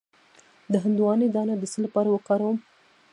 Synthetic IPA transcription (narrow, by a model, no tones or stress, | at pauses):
d̪əɦand̪uwɑned̪ɑnad̪əsəlapɑɾawəkɑɾawəm